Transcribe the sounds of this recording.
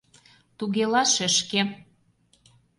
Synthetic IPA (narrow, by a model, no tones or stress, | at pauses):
t̪uɣelɑʃə̆ʃke